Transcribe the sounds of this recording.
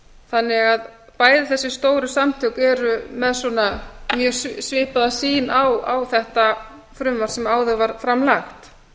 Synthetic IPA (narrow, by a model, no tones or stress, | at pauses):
θanːɪɣað | paːjðɪθɛsːɪ̥st̪oːwɾʏsamt̪ʰœkɛɾʏmɛðsɔnamjœːsvɪːhpaðasiːnawawθɛht̪a | fɾʏmvaɾ̥sɛmaːwðʏvaɾ̥fɾamlaxt̪